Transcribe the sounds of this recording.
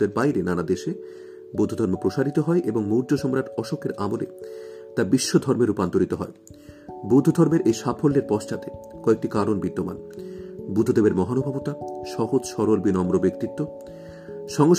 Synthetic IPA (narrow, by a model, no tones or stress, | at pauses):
t̪eɾbajɾenanad̪eʃe | bud̪ʱːod̪ʱɔɾmepɾoʃaɾit̪oɦɔeʔeboŋmoɾd͡ʑoʃɔmɾaʈɔʃokʰeɾamolḛt̪abiʃːod̪ʱɔɾmeɾupant̪oɾit̪oɦɔe | bud̪ʱod̪ʱɔɾmeɾʔejʃapʰolːeɾpɔʃt͡ɕat̪e | kɔek̚ʈikaɾonbid̪ːoma̰n | bud̪ʱːod̪ebeɾmɔɦanobʱabot̪aʃɔɦod͡ʑʃɔɾolbinɔmɾobekt̪it̪ːo | ʃɔŋoʃ